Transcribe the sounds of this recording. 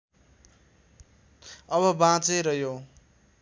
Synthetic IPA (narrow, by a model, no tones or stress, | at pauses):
ʌβʌbãt͡seɾʌjo